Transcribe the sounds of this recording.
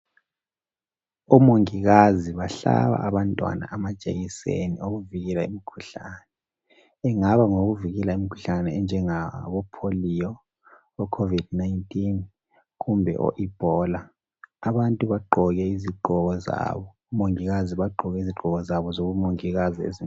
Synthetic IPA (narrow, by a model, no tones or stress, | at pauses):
ɔmoŋiɣaziβaɬa̰βa̰ʔːβantʼwa̰na̰ʔamad̥ʒ̥ʼʱḛɣisḛnḭoɣuviɣɛlaemikʰuɬaːnɛː | ŋaβaŋoɣuviɣɛlaimikʰu̥ɬanɛɛnd͡ʒʱɛŋaβɔpʰolijɔ | ɔkʰovid̥naintʼin | ɣumbʱɛ̰ʔɔ̰ʔib̥ʱɔːla | aβantʼuβaɡ͡ǃʱɔɣɛiziɡ͡ǃʱɔɣɔza̰βɔːmoŋiɣaziβaǃʱɔɣɛiziɡ͡ǃʱɔɣɔzaβɔzoβumoŋiɣaziḛzi